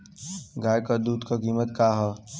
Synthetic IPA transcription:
ɡaːjkəd̪uːd̪kakiːmət̪kaːɦə

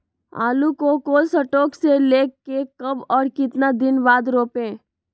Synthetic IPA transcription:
a̰ːlukokoːlsəʈoːkseleːkːekɐbɔːɾkɪt̪nad̪ɪnʋaːd̪ɾoːpẽː

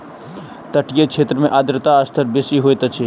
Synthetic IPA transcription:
t̪əʈjekʃʰeːt̪ɾəmẽʔaːd̪ɾət̪aːst̪ʰəɾbesiɦoet̪ɐt͡ʃʰi

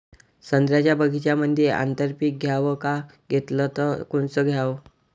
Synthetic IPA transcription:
sənd̪ɾjat͡ɕjabəɡʱit͡ɕjaməd̪ʱjeʔa̰nt̪əɾpiːk̚ɡʱjaʋəka | ɡʱet̪lət̪əkuɳt͡səɡʱjaʋ

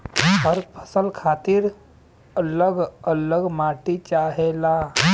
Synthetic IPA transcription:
pəɾpʰə̥səlkʰat̪iɾ | ələɡələɡmaʈit͡ʃaɦela

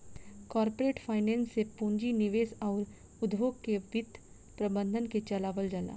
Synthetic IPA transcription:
kɔːɾpoɾeːʈfʰaːɪnẽːnsːepũːɲd͡ʒinɪʋeːsɔːɾ | ʊd̪boːɡkeʋɪt̪ː | pɾɐbə̃nd̪ʱənket͡ʃɐlaːʋəld͡ʒala̰ː

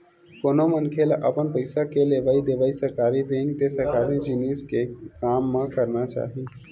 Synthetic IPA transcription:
konomənkʰeləpənpəɪsakelebaid̪ebaisəɾkaɾibẽŋɡt̪esəɾkaɾĩd͡ʒiniskekamːekəɾnat͡ʃa̰ɦi

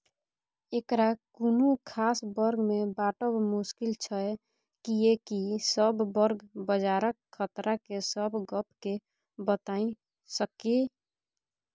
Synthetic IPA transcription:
ekɾakunukʰaːsbəɾɡmebaʈəbmuskilt͡ʃʰə | kijekisəbʱbəɾɡbəd͡ʒaɾəkʰːət̪ɾakesəbʱɡəp̚ke | bət̪aĩ | səke

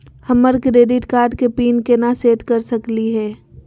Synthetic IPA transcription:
hɐməɾkɾeːɖɪʈkaːɾɖ̚kepiːnkenaseːʈkɐɾsəkliɦɛː

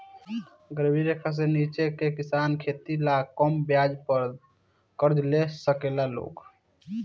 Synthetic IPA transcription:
ɡəɾbʱiɾekʰəs̬enit͡ʃekekɪsaːnkʰet̪ilakɔmbjad͡ʒpəɾ | kəɾd͡ʒlesəkelalo̰ːɡ

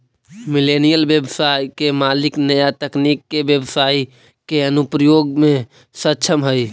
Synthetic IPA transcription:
mɪlenijəlbjəbsaːikemaːlɪknəjat̪əknikːebjəbsaːi | keənʊpɾəjoːɡmẽ | sətːt͡ʃʰəmɦəi

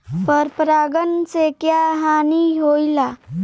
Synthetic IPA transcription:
pəɾpɾaɡənsekjaɦaniɦojla

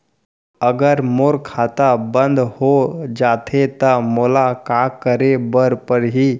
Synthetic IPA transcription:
əɡəɾmoːɾkʰaːt̪abə̃nd̪ʱhod͡ʒaːt̪ʰet̪əmoːlakakəɾebəɾpəɾɦiː

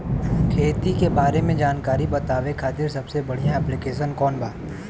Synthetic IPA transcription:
kʰeːt̪ikebaːɾemẽd͡ʒaːnkaːɾibɐt̪aːʋekʰaːt̪ɪɾsɐbsebɐɽ̤ijãɛːplɪkeːʃ̬ənkɔːnbaː

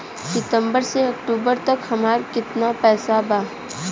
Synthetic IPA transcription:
sɪt̪ə̃mbəɾseɐk̚ʈuːbəɾt̪ɐkhɐmaːɾkɪt̪napɛːsabaː

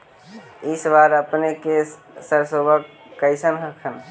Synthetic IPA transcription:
isbaɾəpneke | səɾsobəkː | əɪsənɦəkʰən

